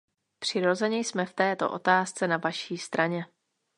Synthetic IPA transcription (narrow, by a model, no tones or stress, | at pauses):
pr̝̥ɪɾo̞zɛɲɛjsmɛft̪ɛːt̪o̞̰ʔo̞t̪aːst͡sɛnavaʃiːst̪ɾʔaɲɛ